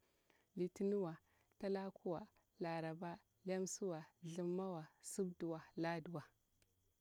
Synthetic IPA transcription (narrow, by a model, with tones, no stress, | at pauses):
li˨ti˦nu˦wa˨ | ta˦la˦kʰu˦wa˨ | la˨ɾa˨ba˦ | la˦msu˦wa˨ɮi˨mːa˦wa˨su˦bdu˨wa˨la˦du˨wa˨